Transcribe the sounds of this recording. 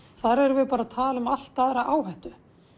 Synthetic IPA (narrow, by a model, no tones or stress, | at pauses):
θaðɾɛɾvɪpaːɾat̪ʰaːlʏmal̥t̪aðɾaʔaːwɦɛht̪ʏ